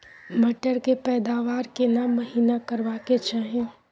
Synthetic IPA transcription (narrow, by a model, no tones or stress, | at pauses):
mɐʈəɾkepɛːd̪aːʋaːɾkenamːɐɦiːnakɐɾʋaːket͡ʃaːɦẽ